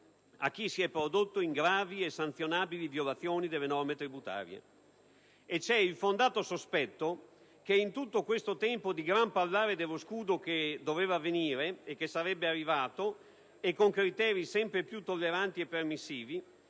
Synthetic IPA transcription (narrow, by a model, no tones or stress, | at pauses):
a̰k̟ːisiɛpːɾod̪ot̪ːoiŋɡɾaːviesːant̪sjonaːbilivjolat̪sːjoːnid̪elːenɔrmet̪ɾibut̪a̰ːɾjḛ | et͡ʃɛilfond̪aːt̪osospɛt̪ːo | k̟eint̪ut̪ːokwest̪ot̪ɛmpod̪iɡɾampalːaːɾed̪elːoskuːd̪ok̟ed̪oveːvaːveniːɾeekːesaɾɛbːearːivaːt̪o | ekːoŋkɾit̪ɛːɾisɛmpɾepjut̪ːolːeɾant̪iepːermisːiːvi